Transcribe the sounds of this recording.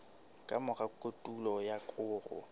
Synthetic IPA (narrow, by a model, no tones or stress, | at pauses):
kʼamʊɣakʼotʼulɔjakʼʊːrʊ̰